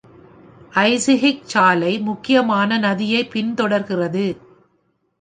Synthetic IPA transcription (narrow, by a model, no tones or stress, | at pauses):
ʔɐɪsɪɦɪk̚t͡ʃaːlɐɪmʊkːɪjɐmaːnɐnɐðɪjɐɪpɪnt̪ɔɽɐɾɣɪrɐðɯ